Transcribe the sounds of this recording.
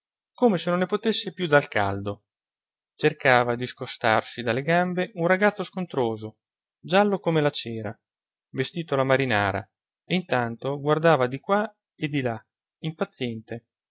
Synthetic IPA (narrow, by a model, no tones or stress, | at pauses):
koːmesenonːepot̪esːepjud̪alka̰ld̪o | t͡ʃerkaːvad̪iskost̪arsid̪alːeɡambeʔunraɡat̪sːoskont̪ɾoːzo | d͡ʒalːokomelat͡ʃɛːɾa̰ | vest̪iːt̪olamaɾinaːɾa̰ | eint̪ant̪oɡward̪aːvad̪ikwa | ed̪ila | impat̪sːjɛnt̪e